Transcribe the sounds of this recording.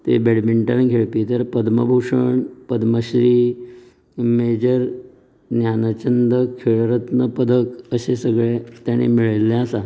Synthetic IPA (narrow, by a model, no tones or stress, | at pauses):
t̪ḛbeɽbiɳʈaɾãɡʱeɭpit̪əɾpəd̪məbʱowʂəɳpəd̪məɕɾi | med͡ʑəɾ | njanət͡ɕənd̪əkʰeɭɾət̪nəpəd̪ʱəkəɕesəɡɭet̪jaɽ̃ḛmiɭəlːeəsa